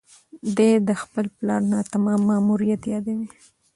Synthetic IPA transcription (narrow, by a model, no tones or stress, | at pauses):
d̪ed̪əxpəlplɑɾnat̪amɑmːɑmuɾijat̪jɑd̪awi